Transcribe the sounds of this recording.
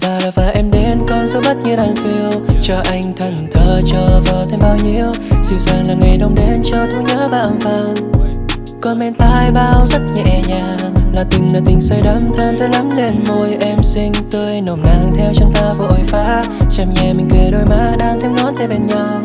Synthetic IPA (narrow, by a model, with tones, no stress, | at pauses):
vaː˨˩laː˨˩vaː˨˩ʔɛ˧mɗe˨˦nkə˧nzo˨˦ɓa˦˥t̚ɲ˧wɗaː˧˩ŋfi˧əwt͡ɕɔ˧˩ʔa˧jŋ̟t̪ʰə˨˩nt̪ʰəː˨˩t͡ɕɔː˧˩vəː˨˩t̪ʰɛ˧mɓaː˧wɲi˧əw | z̥ḭ˧˩əwzaː˨˩ŋlaː˨˩ŋa˨˩jɗə˧wŋ͡mɗe˨˦nt͡ɕɔ˧k̪u˧˦ɲaː˨˦˥ɓa̰ː˧˨˩nvə˧˩n | kɔ˧nmɛ˧nt̪aː˧jɓaː˧wza˦˥t̚ɲɛ˨˧˩ʔɛ˨˩ɲaː˨˩ | ŋlaː˨˩t̪ï˨˩ŋ̟laː˨˩t̪ï˨˩ŋ̟sə˧jɗə˨˦˥mt̪ʰe˧mt̪əː˨˧˦la˨˦mne˧˩nmo˧˩jʔɛ˧msï˧ŋ̟t̪ɨ˧əjno˨˩mnaː˧˩ŋt̪ʰɛ˧wt͡ɕɔ˧ŋ͡mt̪aː˧vɔ˨˧˩ʔo˨˩jfaː˧˥ | t͡ɕa˧˩mɲɛ˨˩mï˨˩ŋ̟ke˨˩ɗo˧jmaː˧˥ɗaː˧ŋt̪ʰɛ˧wnɔ˨˦nt̪ɛ˧˩ɓe˧˩nɲa˧w